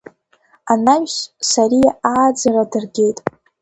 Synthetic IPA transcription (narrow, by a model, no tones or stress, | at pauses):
anaɥʲʃsaɾijaaːd͡zaradɨrɡʲe̞jtʼ